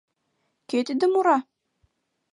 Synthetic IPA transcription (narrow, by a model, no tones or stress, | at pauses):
kʲet̪ɘd̪ɘmuɾɑ